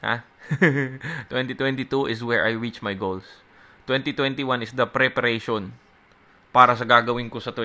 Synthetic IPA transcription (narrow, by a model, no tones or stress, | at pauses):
ha̰ | t̪wɛnt̪it̪wɛnt̪it̪uʔɪswɛɹʔajɹit͡ʃmajɡols | t̪wɛnt̪it̪wɛ̃nt̪iwanɪsd̪ɐpɾɛpɐɾejʃon | paːɾɐsɐɡaːɡɐwɪnkosɐt̪wɛ